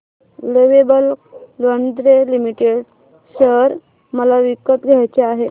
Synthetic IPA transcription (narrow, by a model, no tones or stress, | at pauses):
leʋebəllənd̪ɾelimiʈeɽ | ɕəɾ | məlaʋikːət̪ɡʱajt͡ɕeaɦe